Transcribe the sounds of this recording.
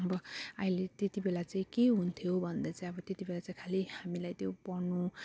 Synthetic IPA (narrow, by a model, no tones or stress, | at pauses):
ʌbʌʌjlet̪et̪ibelat͡saĩkeɦunt̪ʰjobʱʌnd̪at͡saĩʌbʌt̪et̪ibelat͡saĩkʰalihamilajt̪jopʌrnu